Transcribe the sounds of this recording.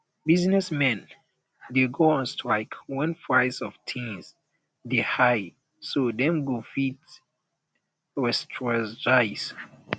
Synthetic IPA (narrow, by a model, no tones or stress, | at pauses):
biznɛsmɛ̃n | deɡoɔ̃nstʰɹaɪkwɛ̃nfɹaɪsɔftʰĩnz | dehaɪd | sodɛ̃mɡofit | ɹɛstʰɹazd͡ʒaɪs